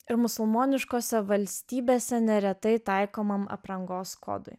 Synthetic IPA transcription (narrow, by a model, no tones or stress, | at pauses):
ɪɾmʊsʊlˠmoːnʲɪʃkoːsʲɛʋɐlʲsʲt̪ʲiːbʲeːsʲɛnʲɛɾʲɛt̪ɐɪt̪ɑˑɪkoːmɐmɐ̰pɾɐŋɡoːsko̰ːd̪ʊ̰ɪ